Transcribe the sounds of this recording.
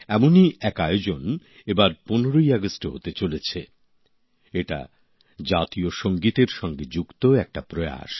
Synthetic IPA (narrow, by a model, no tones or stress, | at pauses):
ɛmoniɛkaeod͡ʑon | ebaɾponeɾojɛɡosʈoɦot̪et͡ɕolet͡ɕʰe | eʈa̰ | d͡ʑat̪ioʃoŋɡit̪eɾʃɔŋɡed͡ʑukt̪oɛk̚ʈapɾoja̰ʃ